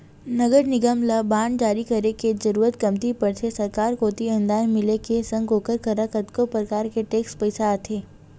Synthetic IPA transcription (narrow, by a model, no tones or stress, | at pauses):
nɐɡəɾnɪɡəmlabaːɳɖd͡ʒaːɾikɐɾeked͡ʒɐɾuːɾət̪̚ɡɐmt̪ipɐɾt̪ʰesɐɾkaːɾkoːt̪iɐ̃nd̪aːjmɪlekesɐ̃ŋɡoːkəɾkəɾakɐt̪kopɾəkaːɾkeʈeːkspəɪsaat̪ʰeː